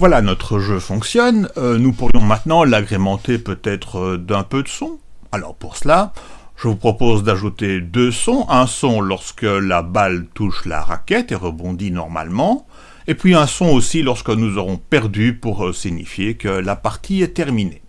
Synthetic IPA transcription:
vwalanɔt̪χəʒøfɔ̃ksjɔnønupuʁjɔ̃mɛ̃t̪nɑ̃laɡʁemɑ̃t̪epøt̪ɛt̪χəd̪ɛ̃pød̪əsɔ̃ | alɔ̰ːʁpuʁsəlaʒ̥əvupχɔpozd̪aʒut̪ed̪øsɔ̃ʔɛ̃sɔ̃lɔʁskəlabalt̪uʃla̰ʁa̰kʲɛt̪eʁəbɔ̃d̪inɔ̰ʁma̰lmɑ̃ | epɥiɛ̃sɔ̃osilɔʁskənuzɔʁɔ̃pɛʁd̪ypuʁsiɲḭfjekəlapaʁt̪ʰiɛt̪ɛʁmine

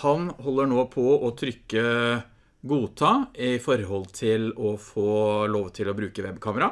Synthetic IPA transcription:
hɑnɦɔlːəɳoːpʰɔɔt̪ʰɾʏkːə | ɡuːt̪ʰɑːɪfɔɾhɔlt̪ʰɪlɔfoːloːʋt̪ʰɪlɔbɾʉːkəʋɛbkʰɑːməɾɑ

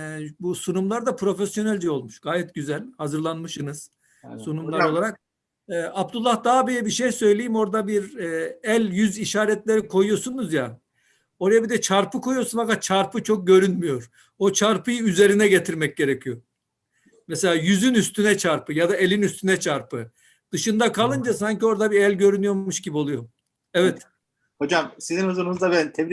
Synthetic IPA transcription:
ɛbusunumlˠaɾd̪apʰɾo̞fesjo̞nælʲd͡ʒɛo̞lˠmuʃɡ̥aːjɛt̪̚ɟyzælʲhazɯɾlˠanmɯʃɯnɯz̥ | sunumlˠaɾɾo̞lˠaɾak̚ | ɛːʔab̚t̪ulˠːahd̪aːbijɛbiʃejsø̞jlʲejimo̞ɾd̪abiɾɛælʲjyziʃaːɾɛt̪lʲeɾikʰo̞jujosunuzja | o̞ɾajabid̪ɛt͡ʃʰaɾpɯkʰo̞jujo̞sunfakat̪̚t͡ʃʰaɾpʰɯt͡ʃʰo̞k̚ɟø̞ɾynmyjo̞ɾ̥ | o̞t͡ʃʰaɾpʰɯjɯyze̞ɾinɛɟet̪ʰiɾmɛc̚ɟe̞ɾɛcʰijo̞ | mɛselʲaːjyzynyst̪ʰynɛt͡ʃʰaɾpɯjad̪aelʲinyst̪ʰynɛt͡ʃʰaɾpɯ | d̪̥ɯʃɯnd̪akʰalˠɯnd͡ʒasaɲcio̞ɾd̪abiælʲɟø̞ɾynyjo̞ɾmuʃɟibio̞lˠujo̞ | ɛvɛt̪ | ho̞d͡ʒamsizinhuzuɾunuzd̪abænt̪ʰɛbɾi

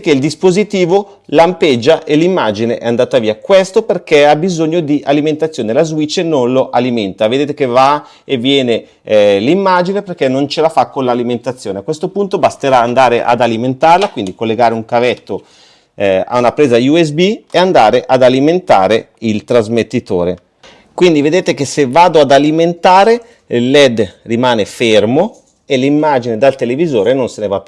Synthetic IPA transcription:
k̟eild̪ispozit̪iːvo | lamped͡ʒːaʔelimːad͡ʒineʔɛand̪aːt̪aviːakwest̪operkeabizoɲːod̪iʔaliment̪at̪sːjoːnelazwit͡ʃːnonloʔaliment̪aved̪eːt̪ekeva | evːjɛːne | limːad͡ʒineperk̟enont͡ʃelafakːonlaliment̪at̪sːjoːneakwest̪opunt̪obast̪eɾaːnd̪aːɾeʔa̰d̪aliment̪arlakwind̪ikolːeɡaːɾeuŋkavɛt̪ːo | a̰unapɾeːzajuɛs̬bieand̪aːɾeʔad̪aliment̪aːɾe | ilt̪ɾazmet̪ːit̪oːɾe | kwind̪ived̪eːt̪ekesevːaːd̪oad̪aliment̪aːɾe | lːɛd̪rimaːnefermo | elimːaːd͡ʒined̪alt̪elevizoːɾenonsenevapːj

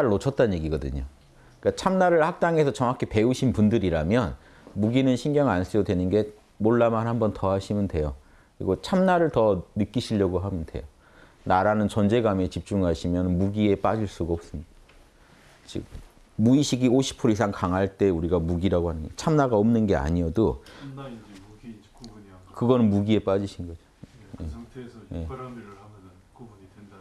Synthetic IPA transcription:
aɾɯɭːot͡ɕʰʌt̚t͈anɲje̞ɡiɡʌdɯ̰ɲo | k͈at͡ɕʰamnaɾɯɭhak̚t͈aŋe̞sʰʌt͡ɕʌŋɦakʰepe̞uɕʰinpundɯɾiɾamjʌn | muɡinɯnɕʰinɡjʌŋans͈ʰɯjodwe̞nɯnɡe̞ | moɭːamanɦhambʌntʌhaɕʰimɯndwe̞jok | kɯɾḭɡot͡ɕʰamnaɾɯɭtʌnɯk͈iɕʰiʎːʌɡoɦamɯnde̞̰jo | naɾanɯnt͡ɕʌnd͡ʑe̞ɡame̞t͡ɕip̚t͡ɕ͈uŋaɕʰimjʌnmuɡie̞p͈ad͡ʑiɭs͈uɡaʌp̚s͈ɯmɲid̥a | t͡ɕḭ | muiɕʰiɡioɕʰi̥pʰuɾisʰaŋkaŋɦaɭt͈e̞uɾiɡamuɡiɾaɡoɦanɯnɡt͡ɕʰamnaɡaʌmnɯnɡe̞a̰ɲijʌdo | kɯɡʌnɯnmuɡie̞p͈ad͡ʑiɕʰinɡʌd͡ʑojeje̞

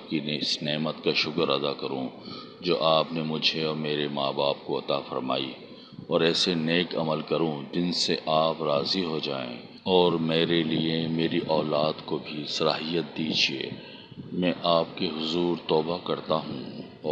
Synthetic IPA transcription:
p̚kinɪsneːmət̪kaʃʊkəɾɐd̪akɐɾũ | d͡ʒoːʔaːpnemʊd͡ʒʱeɔːɾmeːɾemaːbaːp̚koɐt̪afɐ̰ɾma̰ːḭ | ɔːɾɛːseneːkɐ̰məlkɐɾũd͡ʒɪnseʔaːpɾaːziɦod͡ʒa̰ːḛ̃ | ɔːɾmeːɾeliemeːɾiʔɔːlaːd̪kobʱisɐlaːɦijət̪̚d̪iːd͡ʒiḛː | mɛ̃ːʔaːp̚keɦʊzuːɾt̪ɔːbakɐɾt̪aɦũ

